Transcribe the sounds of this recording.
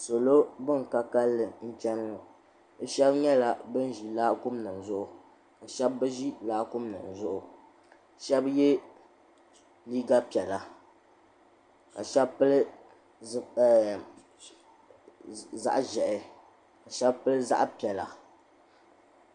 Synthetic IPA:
so˨lo˦bɨ˦ŋ˨ka˦ka˦lːɨ˨n̩˦t͡ʃɛ˦n˦ŋo˨ | ɨ˦ʃɛ˦bɲɛ˦la˦bɨ˦n˦ʒi˨laː˦kʊ˦mnɨ˨n˨zʊ˦ʔʊ˨ | ka˨ʃɛ˦bːɨ˦ʒi˦laː˦kʊ˦mnɨ˨n˨zʊ˦ʔʊ˨˦ | ʃɛ˦bjɛ˦ | liː˦ɡa˦pi˨ɛ˨la˨ | ka̰˨ʃɛ˦bpɨ˦lɨ˦˨ | za̰˦ʔʒɛ˨ʔɪ˨ | ka˨ʃɛ˦bpɨ˦lɨ˦za̰˦ʔpi˨ɛ˨la˨

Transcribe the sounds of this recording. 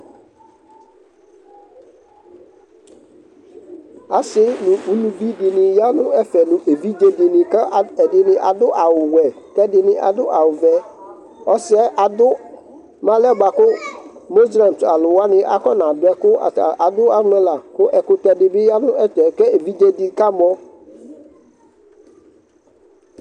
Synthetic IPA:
a˨sɪ˦nʊ̃˨u˨lu˦bi˦dɪ˨nɪ̃˨ja˦nʊ̃˦ɛ˦fɛ˨nʊ˨ʔe˨vi˦d͡ʒe˦dɪ˨nɪ̃˨kɛ˦˨ɛ˨dɪ˨nɪ̃˦ʔa˨dʊ˦ʔa˨wʊ˨wɛ˨ | kɛ˦dɪ˨nɪ̃˦ʔa̰˨dʊ˦ʔa˨wʊ˨vɛ˦ | ɔ˦sɪ˦ɛ˦ʔa˨dʊ˦ | mã˦lɛ˦ɡ͡ba˨kʊ˦mo˦zla˨m˨ta˨lʊ˨wa˦nɪ̃˦ʔa̰˨kɔ˦nã˨dʊ˨˦ɛ˦kʊ˦˨a˨dʊ˦a˦ŋ˦ɛ̃˦la˨kʊ˦ʔɛ˨kʊ˨tɛ˨dɪ˨bɪ˦ja˦nʊ̃˦ɛ˦tɛ˨kɛ˦e˨vi˦d͡ʒe˦dɪ˦ka˦m˦ɔ˦

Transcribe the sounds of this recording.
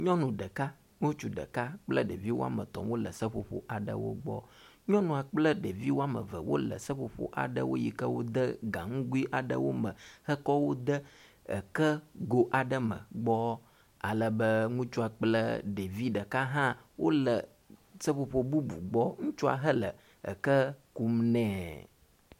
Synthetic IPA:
ɲɔ̃˦nũ˨ɖə˨ka˦ | ŋũ˦t͡ʃu˦ɖə̰˨ka˦k͡plə˦ɖe˨vi˦wo˦a̰˦mə̰˨t̪ɔ̰˨mwo˦lə̰˨sə˦ɸo˨ɸo̰˨ʔa˨ɖə̰˦wo̰˦ɡ͡bɔ̰˦ | ɲɔ̃˦nũ˨a˨k͡plə˦ɖe˨vi˦wo˦a˦mə̰˨və˨wo̰˦lə̰˨sə˦ɸo˨ɸo̰˨ʔa̰˨ɖə̰˦wo̰˦ji˦kə˦wo˦d̪ə˦ɡa˨ŋũ˦ɡu˦i˦ʔa˨ɖə̰˦wo˦mə̃˨hə˦kɔ˦wo˦d̪ə˦ | ə̰˨kə˦ɡo˦ʔa˨ɖə˦mə̰̃˨ɡ͡bɔ˦ | a̰˨lə˨bə˦ŋũ˦t͡ʃu˦a˨k͡plə̰˦ɖe˨vi˦ɖə˨ka˦ɦã˦wʔo˦lə˨ | sə˦ɸo˨ɸo˨bu˦bṵ˨ɡ͡bɔ˦ŋũ˦t͡ʃu˦a̰˨ɦə˦lə̰˨ | ə̰˨kə˦ku˦mnɛ̃˦

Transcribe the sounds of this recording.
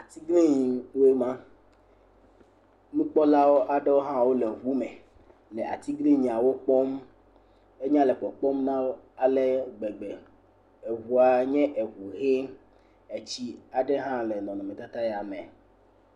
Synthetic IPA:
a˨t̪i˦ɡli˦ɲi˨we˦mã˦ | nũ˦k͡pɔ˦la˦wo˦ʔa˨ɖe˦wo˦ɦã˦wo˦le˨ɦu˦mɛ̃˨ | le˨ʔa̰˨t̪i˦ɡli˦ɲĩ˨a˨wo˦k͡pɔ˦m | e˦ɲ˦ã˦le˨k͡pɔ˨k͡pɔ˦mnã˦wo˦a˨le˦ɡ͡be˨ɡ͡be˨ | e˨vu˨a˨ɲɛ̃˦ʔe˨βu˨ɣe˦ | e˨t͡ɕi˦a˨ɖe˦ɦã˦le˨nɔ̃˨nɔ̃˨mẽ˨t̪a˦t̪a˦ja˨mẽ˨

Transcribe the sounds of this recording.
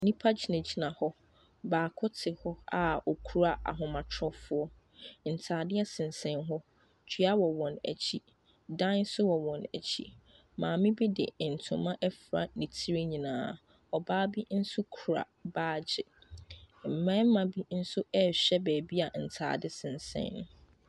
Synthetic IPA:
nɪ̃˦pʰa˦t͡ɕne˨d͡ʑi˨nã˨hɔ˦ | baː˨kʰʊ˦tʰɪ˨hɔ˦a˨ɔ˨kʰu˨˦ɾa˦˨a̰˨ɦʊ̃˨mã˨tʰɔ˦fʊ˦ɔ˦ | n̩˨tʰaː˨dɪ˦a˦sɪ̃˨nsɛ̃˨nɦɔ˦ | t͡ɕʰɥa˦wɔ˨wɔ̃˨næ̰˨t͡ɕʰi˦ | dã˦nsʊ˦wɔ˨wɔ̃˨næ̰˨t͡ɕʰi˦ | mãː˨mɪ̃˦bi˦dɪ̰˨n̩˨tʰʊ̃˨mã˦ʔɛ˦fɾa̰˨nĩ˨tʰi˦ɾe˦ɲĩ˨nãː˨ | ɔ˨baː˦bi˦n̩˦sʊ˦kʰu˨ɾa̰˨baː˨˦d͡ʑɪ˨ | m̩˨mɛ̃˦mã˨bi˦n̩˦sʊ˦ɛ˦ɕᶣɛ˦bæː˨bi˦a˨n̩˨tʰa̰ː˨dɪ˦sɪ̃˨nsɛ̰̃˦ñ˨˦

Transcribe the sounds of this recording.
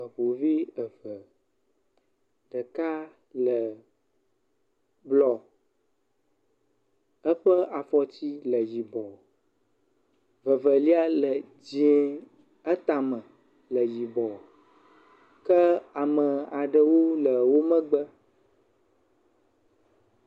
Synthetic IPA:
ə˨ɸo˨vi˦ə˨və˨ | ɖə˨ka˦ | lə˨ | blɔ˨ | ə˦ɸə˦a˨fɔ˨t̪i˦lə˨ji˨bɔ˨ | və˨və˨li˦a˦lə˨ | d͡ʑi˦ɛ˨ | ə˦t̪a˨mə̃˨ | lə˨ji˨bɔ˨ | kə˦a˨mə˨a˨ɖə˨wo˦lə˨wo˦mə̃˦ɡ͡bə˦

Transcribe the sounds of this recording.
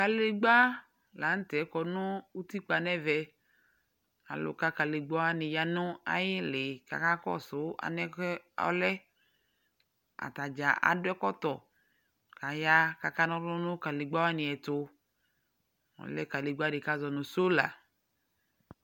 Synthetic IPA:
ka˨le˨ɡ͡ba˦ | la˨˦n̩˦t̪ɛ˨˦kɔ˨nʊ̃˦wu˦t̪i˦k͡pa˨nɛ˦vɛ˨ | a̰˨lʊ̰˨ka˦ka˨le˨ɡ͡ba˦wa˦nɪ̃˨ja˨nʊ̃˦a̰˨jɪ˦lɪ˨ka̰˨ka˦kɔ̰˦sʊ˨˦a̰˨nɛ˦kɔ̰˦lɛ˦ | a̰˨t̪a˨d͡ʒa˨ʔa̰˨dʊ˦ɛ˦kɔ˦t̪ɔ˨ | ka˨ja˦ka˨ka˦nɔ̃˦ɾʊ̃˦nʊ̃˦ka˨le˨ɡ͡ba˦wa˦nĩ˨ɛ˨t̪ʊ˨ | ɔ̰˨lɛ˦ka˨le˨ɡ͡ba˦ɖe˨ka˦zɔ˨nʊ̃˨so˦la̰˨

